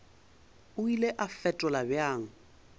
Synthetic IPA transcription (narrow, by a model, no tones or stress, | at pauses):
ʊileʔafɛtʼɔlabɪaːŋ̩